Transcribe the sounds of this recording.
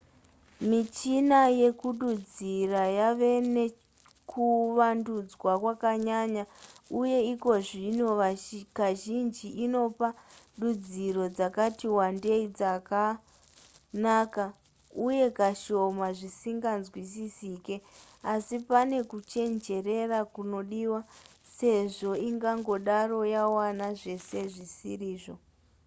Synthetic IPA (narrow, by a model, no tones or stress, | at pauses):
mit͡ʃinaje̞kuɗud͡zirajaʋe̞ne | kʰuʋandud͡zwakwakaɲaɲauje̞iko̞ʐinoakaʒind͡ʒiʔino̞pa | ɗud͡ziɾo̞d͡zakatiwande̞id͡zaka | naːka | uje̞kaʃo̞maʐisiŋɡanzwisisiːke̞ | asipane̞kut͡ʃe̞nd͡ʒe̞re̞rakuno̞ɗiwa | se̞ʐo̞iŋɡaŋɡo̞ɗaro̞jawanaʐe̞se̞ʐisiriːʐo̞